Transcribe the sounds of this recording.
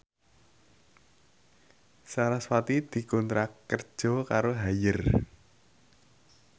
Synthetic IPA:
saɾaswat̪id̪̥i̤kɔnt̪ɾakərd̥ʒ̥ɔ̤kaɾoɦajər

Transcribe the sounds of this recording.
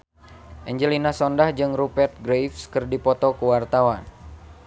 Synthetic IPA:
ʔɛɲd͡ʒəlinasɔndahd͡ʒɨŋrupɛrt̪̚ɡɾejfskɨrdipɔt̪ɔkuwart̪awan

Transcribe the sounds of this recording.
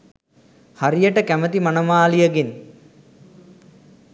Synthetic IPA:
haɾijəʈəkæmət̪imanəmaːlijəɡen

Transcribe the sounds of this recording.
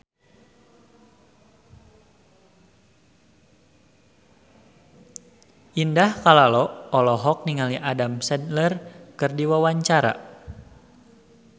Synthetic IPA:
ʔindahkalalɔɔlɔɦɔk̚niŋaliʔadamsɛnlərkɨrdiwawaɲt͡ʃaɾa̰

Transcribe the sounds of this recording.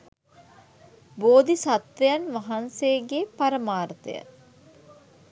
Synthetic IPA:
boːd̪isat̪ʋejanʋaɦansejəɡepaɾəmaːɾət̪ə̰jə̰

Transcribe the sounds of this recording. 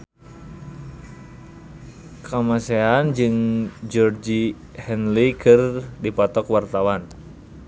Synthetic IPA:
kamaseand͡ʒɨŋd͡ʒɔrd͡ʒi | hɛnlikʰɨrdipɔt̪ɔkwart̪awan

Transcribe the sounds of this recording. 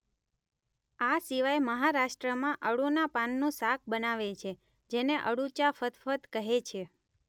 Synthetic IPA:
asiʋajməɦaɾaʃʈɾəmãʔəɽunapanːũsak̚ʰbənaʋet͡ʃʰe | d͡ʒeneʔə̰ɽut͡ʃafət̪fət̪kəɦet͡ʃʰe

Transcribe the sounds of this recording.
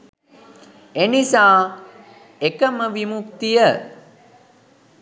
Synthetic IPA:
enisaː | ekəməʋimuk̚t̪ijə

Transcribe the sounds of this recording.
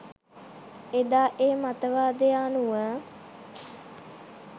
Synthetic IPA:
ed̪aːʔeːmat̪əʋaːd̪ejaːnuə

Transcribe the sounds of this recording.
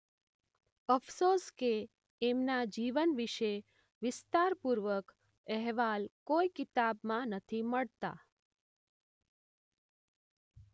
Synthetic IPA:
əfsoskeː | mnad͡ʒiʋənʋiʃe | ʋɪst̪aɾpuɾʋək | ɛɦʋalkoikɪt̪abmãnət̪ʰiməɭt̪a̰

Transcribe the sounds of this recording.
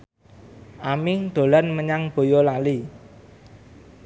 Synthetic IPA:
ʔamɪŋd̪̥o̤lanməɲaŋb̥o̤jolali

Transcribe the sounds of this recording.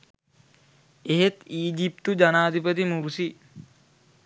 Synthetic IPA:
eɦet̪iːd͡ʒip̚t̪ud͡ʒanaːd̪ʱipət̪̬imuɾusi

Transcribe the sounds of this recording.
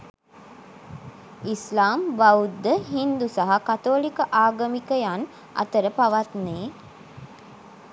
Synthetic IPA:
islaːmʋaud̪ːəɦind̪usaɦakat̪oːlikəʔaːɡəmikəjan | a̰t̪əɾəpaʋat̪neː

